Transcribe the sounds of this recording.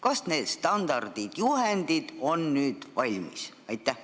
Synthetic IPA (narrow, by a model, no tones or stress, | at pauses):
kɑsne̞ːd̪̥st̪ɑnd̪̥ɑrd̪̥id̪̥juhend̪id̪̥o̞nːyːd̪̥vɑlʲmis | ɑjt̪ːˑæh